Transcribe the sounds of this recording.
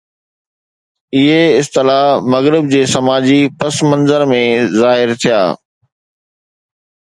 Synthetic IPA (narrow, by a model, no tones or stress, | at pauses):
ɪɦeɪst̪ɪlaːmɐɣɾɪb̚d͡ʑeːsɐmaːd͡ʑipɐsmɐ̃nzəɾmẽzaːɦɪɾt̪ʰija̰ː